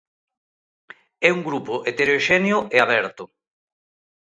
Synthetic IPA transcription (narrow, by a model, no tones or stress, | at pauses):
ɛuŋɡɾupoʔet̪eɾoʃɛnjʊʔeaβɛɾt̪ʊ